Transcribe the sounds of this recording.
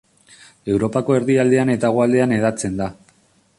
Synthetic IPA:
e̞wɾo̞pako̞e̞ɾðiald̪e̞ane̞t̪aɣ̞oald̪e̞ane̞ð̞at͡se̞nd̪a

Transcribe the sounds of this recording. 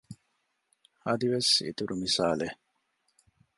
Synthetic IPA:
ɐd̪iʋesḭt̪uɾumisaːle

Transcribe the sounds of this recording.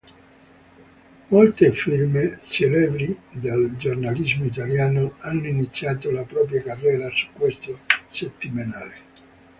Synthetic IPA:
molt̪efilmet͡ʃelɛːbɾid̪ald͡ʒornalizmoit̪̬aljaːnoanːoinit̪sːjaːt̪olapɾɔːp̬ɾjakarːɛːɾasu̥kːwest̪oset̪ːimenaːle

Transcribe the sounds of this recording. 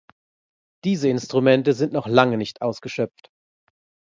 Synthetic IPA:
d̥iːzəɪnstʁ̥umɛntəzɪntnɔχlaŋənɪçtʔaʊsɡ̥əʃœpp͡ft

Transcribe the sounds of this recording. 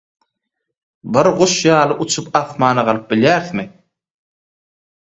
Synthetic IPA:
bɨɾʁuʃjɑːlˠɯʔut͡ʃʰupɑθmɑːnɑʁɑlˠɯp̚biljæːɾθmi

